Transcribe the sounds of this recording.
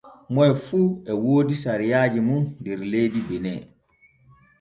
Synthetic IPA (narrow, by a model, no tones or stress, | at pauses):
mɔjfuːɛwoːdisaɾijaːd͡ʒimundɛɾlejdibɛnɛ̰